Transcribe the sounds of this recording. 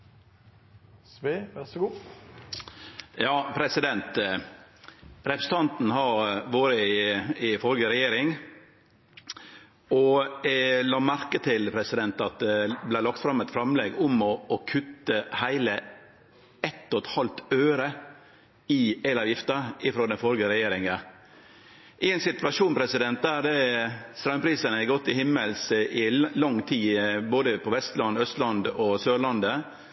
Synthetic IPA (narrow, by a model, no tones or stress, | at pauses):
sʋeʋɛsəɡuː | jɑːpʰɾɛsɪd̪ɛnt̪ | ɾɛpɾəsət̪ʰɑnt̪n̩hɑɾʋoːɾəɪɪfɔɾɡəɾɛjeːɾɪŋ | ɔ | lɑːmæɾkət̪ʰɪlpʰɾɛsɪd̪ɛnt̪ɑt̪̚d̪ɛblæɪlɑk̚t̪fɾɑmɛt̪fɾɑmlɛːɡʊmɔːkʰʉt̪ːəhæɪlə | ɛt̪ːɔt̪hɑlt̪øːɾə | ɪɛlɑːʋjɪft̪əɪfɾoːd̪ɛnfɔɾɡəɾɛjeːɾɪŋə | ʔɪɛnsɪt̪ʋɑʂuːnpʰɾɛsɪd̪ɛnt̪̚d̪æːɾd̪ɛst̪ɾɑŋpʰɾiːsənəɛɡɔt̪ːɪhɪmːəlsɪlɑŋt̪ʰiːboːd̪əpʰɔʋɛst̪lɑnd̪œst̪lɑnd̪ɔsøːɭɑnd̪ə